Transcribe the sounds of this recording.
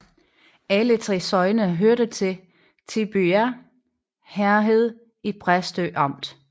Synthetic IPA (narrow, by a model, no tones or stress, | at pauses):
ælət͡sʰʁɛ̰sɒ̽ɪnəɦøɐɾ̥ət͡sʰe̝ | t͡sʰib̥yæ | hæɐɦe̝ð̰ˠ | ib̥ʰʁasd̥øːʔɑ̈m̰d̥